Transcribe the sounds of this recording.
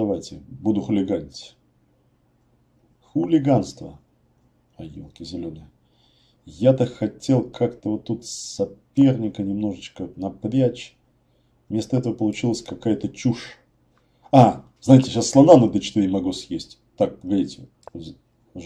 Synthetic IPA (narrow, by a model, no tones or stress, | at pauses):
ɐvajtʲɪbud̪ʊxʊlʲɪɡanʲtʲ | xʊlʲɪɡanst̪və̰ | ɐjḭlˠkʲɪzʲɪlʲonɨj | jat̪əxɐtʲe̞lˠkʰakt̪əvot̪ːut̪ssɐpʲe̞rnʲɪkənʲɪmno̞ʐɨt͡ɕkənɐpɾʲæt͡ɕ | vmʲe̞st̪əɛt̪əvəpəlˠʊt͡ɕilˠəsʲkɐkajət̪ət͡ɕuʂ | a | znajɪtʲɪɕasːlˠɐnanɨd̪ət͡ɕɪ̥t̪iɾʲɪmɐɡosjesʲtʲ | t̪ːak̚pəɡɐɾʲitʲɪ